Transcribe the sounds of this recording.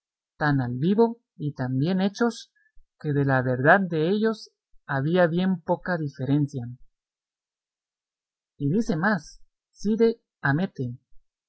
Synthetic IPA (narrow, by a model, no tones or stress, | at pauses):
t̪analβiβo̞ | it̪ambje̞ne̞t͡ʃo̞s | ke̞ðe̞laβe̞ɾðaðd̪e̞e̞ʝo̞s | aβiaβje̞mpo̞kaðife̞ɾe̞nsja | iðise̞masː | iðe | ame̞t̪e